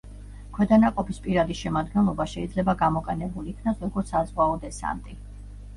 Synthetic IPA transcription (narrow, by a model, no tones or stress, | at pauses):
kʰwɛd̪anaqʼɔpʰispʼiɾad̪iʃɛmad̪ɡɛnlˠɔbaʃɛid̪zlɛbaɡamɔqʼɛnɛbuliːkʰnasɾɔɡɔɾt̪sʰazʁwaɔd̪ɛsa̰nt̪ʼi